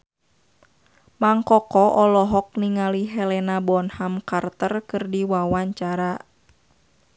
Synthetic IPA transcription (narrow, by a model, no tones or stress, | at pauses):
maŋkɔkɔʔɔlɔɦɔk̚niŋaliɦɛlɛnabɔnhamkart̪ərkɨrdiwawaɲt͡ʃaɾa